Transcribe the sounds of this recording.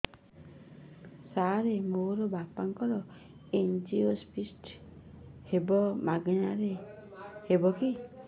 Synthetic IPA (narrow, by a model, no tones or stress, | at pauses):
saɾemoɾɔbapaŋkɔɾɔ | end͡ʒiospʰisʈ | hebɔmaɡnaɾe | hebɔki